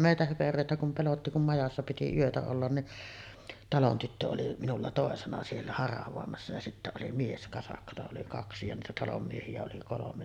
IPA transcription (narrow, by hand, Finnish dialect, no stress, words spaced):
meˑitæ høperøˑetæ kum pelotːi kum mɑjɑsːɑ piti yøtæ olːɑn niʔ tɑlon tytːø oli minulːɑ toˑesenɑ sielːæ hɑrɑʋoˑemɑsːɑ jɑ sitːæ oli mieskɑsɑkːɑtɑ oli kɑksi jɑ niːtæ tɑlom miehiæ oli kolomen